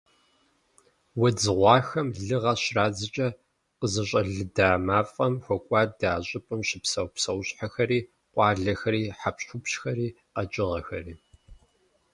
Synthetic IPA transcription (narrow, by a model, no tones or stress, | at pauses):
wɐd͡zɨʁʷɑːxɐmɮɨʁɐɕraːd͡zɨt͡ʃʼɐ | qəzɐɕʼɐɮɨdaːmaːfʼɐmxʷɔkʷʼɑːdaːɕʼɪpʼɨmɕɪpsɐwpsɐwɕʼħaxɐɾiː | qʷʼɑːɮɐxɐɾiːħapɕʊpɕxɐɾiː | qɐt͡ʃʼɪʁɐxɐriː